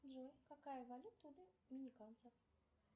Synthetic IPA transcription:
d̪ʐojkɐkajəvɐlʲut̪ːʊd̪ɨmʲɪnʲɪkant̪səf

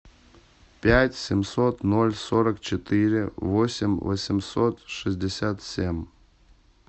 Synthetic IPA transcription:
pʲætʲsʲɪmsot̪nolʲsoɾəkt͡ɕɪt̪ɨɾʲɪvosʲɪmʲvə̰sʲɪmsot̪ʂɨzʲdʲɪsʲat̪sʲemʲ

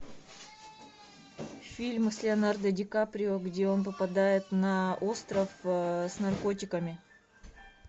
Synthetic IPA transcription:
fʲilʲmslʲɪɐnard̪ədʲɪkapɾʲɪoɡdʲe̞o̞npəpɐd̪ajɪt̪nɐo̞st̪ɾəfsnɐrko̞tʲɪkəmʲɪ

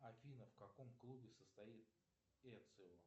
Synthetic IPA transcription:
ɐfʲinəfkɐkomklˠubʲɪsəst̪ɐit̪̚ | ɛt̪sɨl

